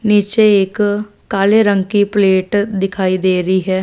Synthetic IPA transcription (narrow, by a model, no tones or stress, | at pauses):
niːt͡ʃeːɪkː | aːleːɾəŋkiːpleːʈd̪ɪkʰaːiːd̪eːɾəiːɦɛː